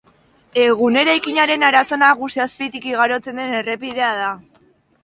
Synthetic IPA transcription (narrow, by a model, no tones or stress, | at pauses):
e̞ɣ̞une̞ɾajkiɲaɾe̞naɾaso̞naɣusiaspit̪ikiɣaɾo̞t͡se̞nd̪e̞ne̞re̞pið̞e̞að̞a